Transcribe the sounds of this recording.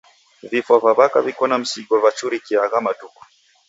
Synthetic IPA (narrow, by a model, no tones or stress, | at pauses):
vifavaβakavikɔnam̩siɡɔvat͡ʃuɾikiaɣamatuku̥